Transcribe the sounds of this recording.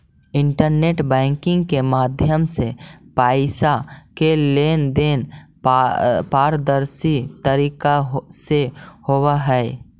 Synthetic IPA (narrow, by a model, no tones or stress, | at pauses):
ɪ̃ɳʈəɾneːʈbɛ̃ːŋkɪ̃ŋɡkemaːd̪ʱjəmsepaːɪsakeleːnd̪eːn | paːɾd̪əɾsit̪əɾiːkaɦsehowaɦɛe